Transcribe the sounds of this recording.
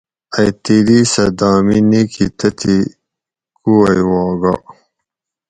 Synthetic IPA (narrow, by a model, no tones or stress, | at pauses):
ɐjt̪ilisɐd̪aːminikʰit̪ɐt̪ʰi | kuɐjwɑːɡa̰